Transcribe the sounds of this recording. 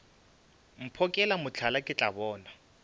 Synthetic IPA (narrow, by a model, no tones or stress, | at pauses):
m̩pʰɔkʼɛlamʊt͡ɬʰalakʼɪt͡ɬʼabɔːna